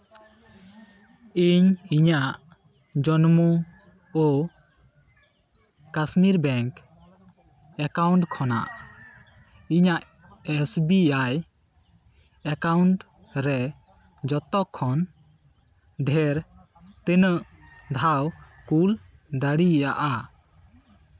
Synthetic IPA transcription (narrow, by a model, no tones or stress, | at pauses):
iɲiɲaʔ | d͡ʒɔnmu | ɔ | kasmiɾbɛŋk | ɛkawɳʈkʰɔna̰ʔ | iɲaʔ | ɛsbiaj | ɛkawɳʈ | ɾɛ | d͡ʒɔt̪ɔʔkʰːɔn | ɖʱɛɾ | t̪enəʔ | d̪ʱawkul | d̪aɽijaʔa